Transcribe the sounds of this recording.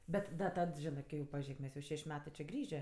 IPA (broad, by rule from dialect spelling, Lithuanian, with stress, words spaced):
ˈbʲɛt dɐ ˈtɐt ˈʒʲɪnɜ ˈkɐɪ jɛʊ pɐˈʒʲeːk ˈmʲɛs jɛʊ ˈʃʲɛʃʲ ˈmʲæːtɜ t͡ʃʲeː ˈɡrʲiːʒʲeː